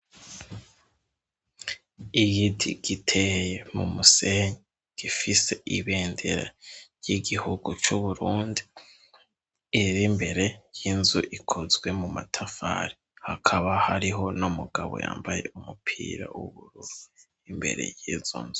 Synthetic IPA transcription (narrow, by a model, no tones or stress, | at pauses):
iɡidḭɡitʰejemumuse̞ɲe | ɡ̥ifise̞ʔiβeːndeɾa̰jiɡihuɡut͡ʃuβuɾuːndi | ɾimbe̞ɾe̞jinzuʔikʰozɡwe̞muma̰tʰafa̰ːɾi | hakʰaβahaɾiɦo̞numuɡaβo̞̰ja̰ːmbaje̞̰umupʰḭːɾa̰wuβuɾuɾu | imbe̞̰ɾe̞̰jiːzo̰nzu